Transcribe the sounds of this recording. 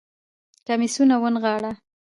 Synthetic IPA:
kamisunawənɣɑɽa

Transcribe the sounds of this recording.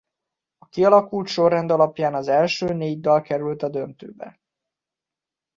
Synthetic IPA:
ɒkiɒlɒkult̪ʃo̞rːɛnd̪ɒlɒpjaːnɒzɛlʃøːneːɟd̪ɒlkɛɾylt̪ɒd̪ø̞nt̪ø̰ːbɛ̰

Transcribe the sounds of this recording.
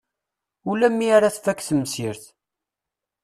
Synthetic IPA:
ulæmːiaɾaθfækːθəmsiɾθ

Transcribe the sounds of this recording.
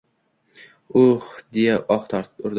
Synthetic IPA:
ʊχd̪ejaʔɒχt̪ʰɒɾt̪ʊɾd̪

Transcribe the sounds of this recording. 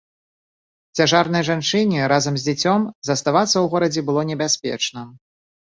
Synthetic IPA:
t͡sʲaʐarnɐjʐant͡ʂɨnʲɛɾazɐmzʲd͡zʲat͡sʲɔmzɐst̪avat̪sːɐwɣɔɾɐd͡zʲɛbɨlˠɔnʲɛbʲasʲpʲɛ̰t͡ʂnɐ

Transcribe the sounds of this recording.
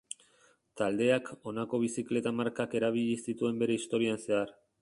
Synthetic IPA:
t̪ald̪e̞ako̞nako̞β̞isikle̞t̪amaɾkake̞ɾaβ̞iʎisit̪ue̞mbe̞ɾe̞ist̪o̞ɾianse̞ar

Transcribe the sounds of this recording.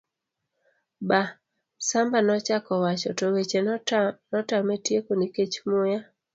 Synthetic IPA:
ba | sambanɔt͡ʃakɔwat͡ʃɔtowet͡ʃenɔtametjekoniket͡ʃmoja

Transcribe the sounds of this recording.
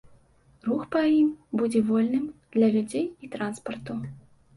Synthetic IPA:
ruxpɐjimbud͡zʲɛvɔlʲnɨmd̪̥lʲɐlʲud͡zʲejit̪ɾanspɐrt̪u

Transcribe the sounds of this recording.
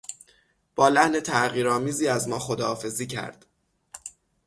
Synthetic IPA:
b̥ɒːlæhne̞t̪ʰæɣiːɾɒːmiːziːæzmɒːxod̪ɒːfe̞ziːcʰæ̰ɾd̪̥

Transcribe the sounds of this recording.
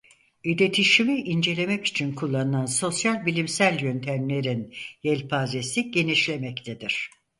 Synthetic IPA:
id̪e̞t̪ʰiʃimiʔind͡ʒe̞lʲe̞mɛci̥t͡ʃʰinkʰulˠːanɯnanso̞sjalʲbilʲimsælʲjø̞nt̪ʰæmlʲe̞ɾinjɛlʲpʰazesiɟe̞niʃlʲe̞mɛct̪ʰed̪iɾ̝̥

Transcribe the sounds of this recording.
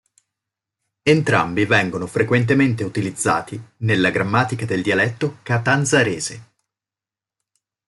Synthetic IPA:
ent̪ɾa̰mbivɛŋɡonofɾekwent̪̬ement̪eut̪ilid̪zːa̰ːt̪inelːaɡɾamːaːt̪ikad̪eld̪ialɛt̪ːokat̪anzaɾeːze

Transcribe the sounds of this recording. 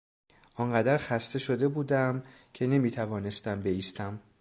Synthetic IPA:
ʔɒŋɢæd̪æɾxæst̪e̞ʃo̞d̪e̞buːd̪æm | cʰe̞ne̞miːt̪ʰævɒːne̞st̪æmbe̞iːst̪æm

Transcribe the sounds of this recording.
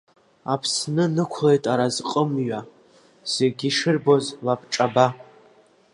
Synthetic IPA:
apʰsnɨnɨkʷʰle̞jtʼaɾazqʼəmɥa | seɡʲiʂɨrbo̞zlapʰʈ͡ʂʼaba

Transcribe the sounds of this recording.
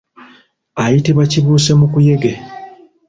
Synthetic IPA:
ajitiβaciβuːse̞mukuje̞ɡe

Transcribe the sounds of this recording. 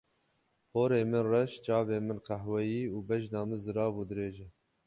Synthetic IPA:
pʰoːɾeːmɨnrɛʃt͡ʃɑːbeːmɨnqæhwɛjiːuːbɛʒnɑːmɨnzɨɾɑːbuːd̪ɨɾeːʒɛ

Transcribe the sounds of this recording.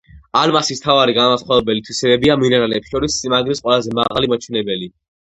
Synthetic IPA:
almasist̪ʰavaɾiɡamasχwavɛbɛlit̪ʰwisɛbɛbiaminaɾalɛːpsʃɔɾismaɡɾisqʼwɛlazɛmaʁalimat͡ʃʰwɛnɛbɛli

